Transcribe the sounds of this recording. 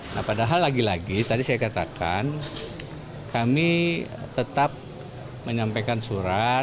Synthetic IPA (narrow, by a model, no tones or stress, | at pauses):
nahpadaɦalːaɡilaɡit̪adisajakat̪akʰa̰n | kamit̪ət̪ap̚ | məɲampajkansuɾa